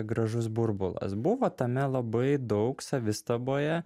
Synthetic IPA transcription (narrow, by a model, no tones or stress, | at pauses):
ɡɾɐʒʊs̬bʊɾbʊlˠɐ̰sbʊʋoːt̪ɐmʲɛlˠɐbɐɪd̪ɒʊksɐʋʲɪst̪ɐboːjɛ